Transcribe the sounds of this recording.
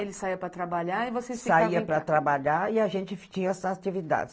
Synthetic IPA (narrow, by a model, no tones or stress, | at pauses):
elɪsaiɐpɾɐt̪ɾabaʎaɪvosefsfiaaiɐpɾɐt̪ɾabaʎaɪaʒẽt͡ʃɪft͡ʃĩɲɐɛsat͡ʃivid̪a̰d͡ʒɪ̥